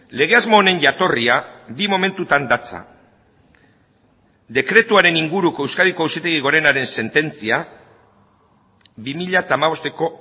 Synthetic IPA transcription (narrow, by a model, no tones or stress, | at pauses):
le̞ɣ̞e̞azmo̞ːne̞nʝat̪o̞riabimo̞me̞nt̪ut̪and̪at͡sa̰ | d̪e̞kɾe̞t̪uaɾe̞niŋɡuɾukoe̞wskaðikoewsit̪eɣiɣ̞o̞ɾe̞naɾe̞nse̞nt̪e̞nt͡sia | bimiʎat̪aːmaβ̞o̞st̪e̞ko̞